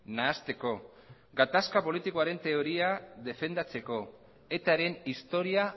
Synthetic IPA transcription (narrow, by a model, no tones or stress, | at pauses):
naːst̪e̞ko̞ | ɡat̪askapo̞lit̪iko̞aɾe̞nt̪e̞o̞ɾiaðe̞fe̞nd̪at͡se̞ko̞ | e̞t̪aɾe̞nist̪o̞ɾia